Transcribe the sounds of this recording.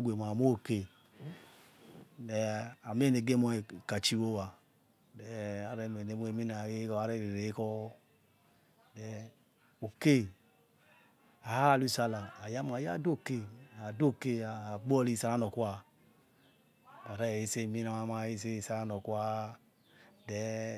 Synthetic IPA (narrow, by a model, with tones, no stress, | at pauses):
ɡʷe˨m˨a˨mo˦˨ke˦ | nɛ˨a˨m˦e˦ne˨ɡe˦mo˦e˨ka˨t͡ʃi˦wo˦wa˨ | dɛ˨a˨ɾe˦˨me˨ne˨mo˦e˨mi˦na˨e˦kɔ˦a˦ɾe˦˨ɾe˨ɾe˨˦kɔ˦ | dɛ˨ | o˨ke˦ | a˨ha˦˨lu˦˨sa˦la˨a˨ja˦m˨a˨ja̰˦˨do˦˨ke˦˨a˨do˦˨ke˦a˨ɡ͡bɔ˦li˦˨sa˨˦la˦no˨kwa˦ | da˨ɾe˦˨i˦se˦˨mi˦na˨a˦ma˦˨i˦s̬e˦˨sa˦la˦no˨kwa˦ | dɛ˨